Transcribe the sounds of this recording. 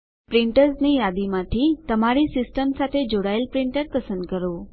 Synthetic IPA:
pɾɪɳʈəɾznijad̪imãt̪ʰit̪əmaɾisɪsʈəmsat̪ʰed͡ʒoɽaəlpɾiɳʈəɾpəsənd̪kəɾo

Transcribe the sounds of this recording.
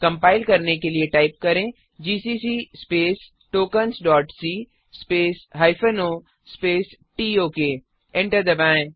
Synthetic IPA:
kɐ̃mpaːɪlkɐɾnekelieʈaːɪp̚kɐɾẽː | d͡ʒiːsiːsispeːs | ʈoːkənsɖɔːʈsiː | speːsɦaːɪfənoː | speːsʈiːoːke | ɛ̃ɳʈəɾd̪ɐbãːẽ

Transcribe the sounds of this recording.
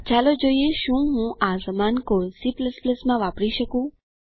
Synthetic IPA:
t͡ʃalod͡ʒoieʃũɦũʔazəmankosipləspləsmãʋapɽiʃəkũ

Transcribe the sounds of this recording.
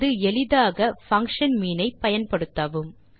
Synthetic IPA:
ðɯɛɭɪðaːɣɐfɐŋkʂɐnmiːnɐɪpɐjɐnpɐɽɯt̪ːɐʋɯm

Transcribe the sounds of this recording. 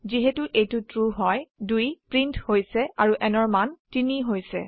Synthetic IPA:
ziɦetuʔejtʊtɹuɦɔjdujpɹintʰhojsɛaɹuʔɛnɔɹmantiniɦojsɛ̰

